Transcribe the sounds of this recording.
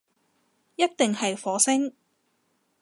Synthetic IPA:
jɐ˥t̚t̪ɪ˨ŋhɐ˨jfɔː˨˥sɪ˥ŋ

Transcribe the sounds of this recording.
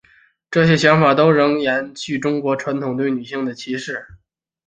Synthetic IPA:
ʈ͡ʂɤ˥˩ɕjɛ˥ɕjɑ˧˥ŋfa˨˩t̪o˥ʊɻɤ˧˥ŋɻa˧˥nt͡ɕʰy˥˩ʈ͡ʂʊ˥ŋkwɔ˧˥ʈ͡ʂʰwa˧˥nt̪ʰʊ˨˩ŋt̪we˥˩ɪny˨˩ɕi˥˩ŋd̪ə˩t͡ɕʰi˧˥ʂɻ̩˥˩

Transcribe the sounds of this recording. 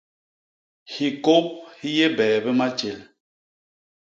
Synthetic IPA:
hi˨ko˦p̚hi˦je˦bɛː˨bɛ˦ma˦t͡ʃe˨l

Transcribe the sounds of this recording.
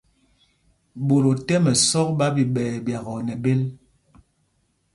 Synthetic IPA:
bo˨ɾo˨tɛ˦mɛ˨sɔ˦k̚ɓa˦bi˨ɓɛː˨bja˨ɣɔ˨nɛ˨be˦l

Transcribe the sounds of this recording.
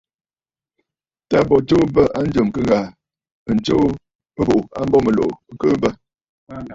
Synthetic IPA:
ta˦bɔ˨t͡ʃo˦bə˦ʔa˦n̩˦d͡ʒə˨m˨kə˦ŋɡa˨ | n̩˨t͡ʃo˦ | o˨a˦m˦bɔ˦mə˨lo̰˨ŋ̩˦kə˦bə˦˨

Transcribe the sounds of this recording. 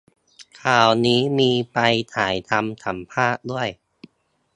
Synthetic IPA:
kʰaː˨˩wniː˦˥miː˧pa˧jt̪ʰaː˩˦jt̪ʰa˧mt̪ʰa˩˦mpʰaː˥˩k̚du˥˩əj

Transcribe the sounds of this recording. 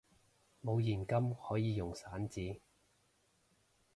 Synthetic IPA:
mo˨˧wjiː˨˩nkɐ˥mhɔː˨˥jiː˨˧jʊ˨˩ŋsaː˨˥nt͡siː˨˥

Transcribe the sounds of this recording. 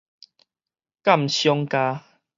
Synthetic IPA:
ka˥˨mɕjɔ˦ŋka˧

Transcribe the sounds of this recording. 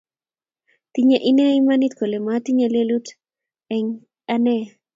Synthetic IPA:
t̪i˦ɲe˦ʔi˦nɛ˦i˦ma˦ni˦t̪ko˨le˨ma˦t̪i˦ɲe˦le˦lu˦t | ɛ˨ŋ | a˦nɛ˦

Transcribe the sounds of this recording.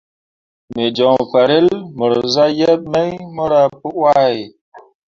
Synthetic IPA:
me˨d͡ʒɔ˨ŋfa˨ɾe˦lmə˨ɾza˦je˦p̚me˦jmə˦ɾa˦pu˦wa˦˨j

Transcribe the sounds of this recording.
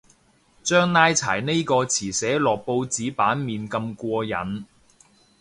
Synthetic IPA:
t͡ʃœː˥ŋnaː˥jt͡sʰa̰ː˨˩jne˥jkɔː˧t͡sʰiː˨˩sɛː˨˥lɔː˨k̚po˧wt͡siː˨˥paː˨˥nmiː˨nkɐ˧mkʷɔː˧jɐ̰˨˥n

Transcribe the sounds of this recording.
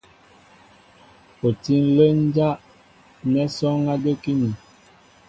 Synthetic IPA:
o˨ti˦n˦lə˦n˦d͡ʒa˦ʔ | nɛ˦sɔ˦ŋa˦də˦ki˦ni˨

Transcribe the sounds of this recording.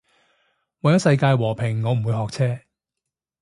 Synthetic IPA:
wɐ˨jɐ˥wsɐ˧jkaː˧jwɔː˨˩pʰɪ˨˩ŋːɔ˨˧m̩˨˩wu˨˧jhɔː˨k̚t͡sʰɛː˥

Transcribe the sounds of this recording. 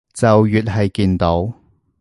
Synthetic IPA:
t͡sɐ˨wjyː˨t̚hɐ˨jkiː˧nt̪o˨˥w

